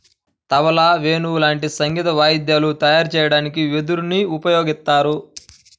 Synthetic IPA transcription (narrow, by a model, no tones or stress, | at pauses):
t̪ɐʋɐlaːʋe̞ːnulaːɳʈisɐŋɡit̪ɐʋaːjid̪jaːlut̪ɐjaːɾt͡ʃɛːjɐɽaːnik̬iʋed̪uɾniupɐjoːɡist̪ːaːɾu